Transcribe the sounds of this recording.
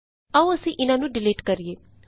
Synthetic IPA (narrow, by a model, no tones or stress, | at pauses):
aũəsĩʔɪnãnũːɖɪleːʈkɐɾieː